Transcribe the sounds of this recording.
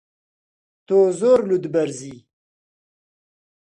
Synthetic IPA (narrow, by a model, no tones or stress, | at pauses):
t̪ozoːɾlud̪bɐɾzi